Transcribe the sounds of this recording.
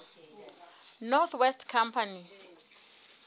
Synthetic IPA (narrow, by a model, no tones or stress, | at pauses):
nɔt̪wɛstʰkʰampʰani